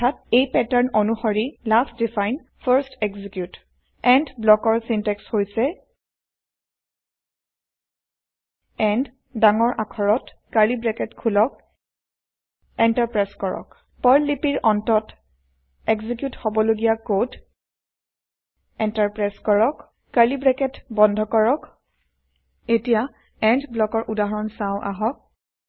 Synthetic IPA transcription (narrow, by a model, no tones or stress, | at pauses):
ɔtʰatejpɛtaɹnɔnuxɔɹilastdifʰajn | pʰaɹstɛɡzikjut | ɛndblɔkɔɹsintɛkshojsɛ | ɛnd | daŋɔɹʔakʰɔɹɔt | kaɹibɹɛkɛtkʰulɔk | ɛntaɹpɹaskɔɹɔ̰k | pɔɹlːipiɹɔntɔt | ɛɡzik̬juthobɔloɡijakod | ɛntaɹpɹajskɔɹɔk | kalibɹɛkɛtbɔndʱɔkɔɹɔk | etija | ɛndblɔkɔɹʔudaɦɔɹɔnsãʊ̃ʔa̰ɦɔk̚